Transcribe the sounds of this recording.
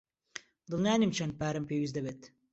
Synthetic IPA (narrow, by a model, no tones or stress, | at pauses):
d̪ɨlˠnʲaːnimt͡ʃʰɐnd̪̚paːɾɐmpeːwiz̬d̪ɐbeːt̪